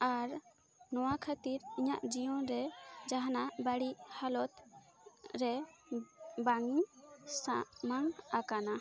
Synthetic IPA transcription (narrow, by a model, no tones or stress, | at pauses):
aɾ | nɔwakʰət̪iɾiɲa̰ʔd͡ʒijɔ̃ɾɛd͡ʒaɦanabaɽiʔhalɔt̪ | ɾɛ | baŋisaʔmaŋakana